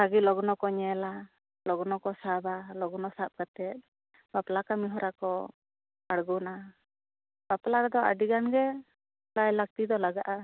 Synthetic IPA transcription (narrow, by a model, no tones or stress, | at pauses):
saɡilɔɡnɔkɔɲɛla | lɔɡnɔkɔsabalɔɡnɔsap̚kat̪ɛt̪̚ | baplakamiɦɔɾakɔ | aɽɡuna | b̥aplakɛd̪ɔʔa̰ɖiɡanɡɛ | lajlak̚t̪id̪ɔlaɡaʔa